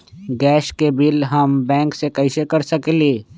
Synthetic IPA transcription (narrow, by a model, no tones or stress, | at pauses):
ɡɛːʃkebɪlɦɐmbɛ̃ːŋksekɐɪsekɐɾsɐkeleː